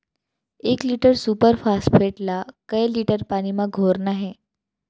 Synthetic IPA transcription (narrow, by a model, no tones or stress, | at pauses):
ekliːʈəɾsuːpəɾfasʈfʰeʈlakəjliʈəɾpaɽ̃imãɡʱoɾnaɦẽ